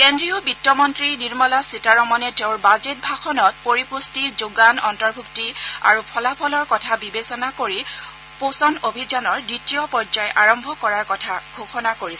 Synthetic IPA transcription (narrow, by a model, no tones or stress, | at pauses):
kendɹijɔbitːɔmɔntɹiniɹmɔlasitaɹɔmɔnɛteʊ̃ɹbazet̚bʱaxɔnɔt̚poɹipustizoɡanɔntɔɹbʱuktia̰ɹupʰɔlapʰɔlɔɹkɔtʰabibesɔnakoɹi | posɔnobʱizanɔɹditijɔpɔɹzajʔaɹɔmbʱɔkɔɹaɹkɔtʰaɡʱoxɔnakoɹisɛ